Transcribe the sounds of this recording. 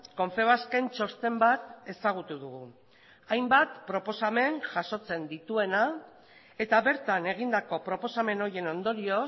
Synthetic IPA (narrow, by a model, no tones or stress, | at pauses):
ko̞ɱfe̞β̞aske̞nt͡ʃo̞st̪e̞mbat̪e̞saɣ̞ut̪uðuɣu | ajmbat̪pɾo̞po̞same̞ŋʝaso̞t͡se̞nd̪it̪ue̞na | e̞t̪aβe̞ɾt̪ane̞ɣ̞ind̪ako̞pɾo̞po̞same̞no̞ɾje̞no̞nd̪o̞ɾio̞